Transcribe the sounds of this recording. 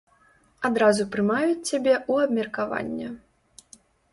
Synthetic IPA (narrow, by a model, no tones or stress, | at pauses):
ad̪ɾazupɾɨmajut͡sʲt͡sʲabʲɛʔuɐbmʲɛrkava̰nʲːɐ